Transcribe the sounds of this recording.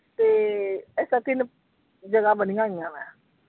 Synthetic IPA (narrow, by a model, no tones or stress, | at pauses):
t̪eːɛːsaːt̪ɪn | d͡ʒəɡaːbənĩːɡãːɡaːmɛ̃ː